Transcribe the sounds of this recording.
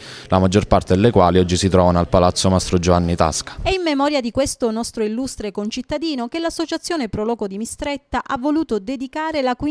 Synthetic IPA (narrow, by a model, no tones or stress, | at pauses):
lamad͡ʒːorpart̪ed̪elːekwaːliɔd͡ʒːisit̪ɾɔːvanoalpalat̪sːomast̪ɾod͡ʒovanːit̪a̰skḁɛimmːemɔːɾjad̪ikwest̪onɔst̪ɾoilːust̪ɾekont͡ʃit̪ːad̪iːnok̟elasːot͡ʃat̪sːjoːnepɾɔlɔːkod̪imist̪ɾɛt̪ːaʔavːoluːt̪od̪ed̪ikaːɾelakwi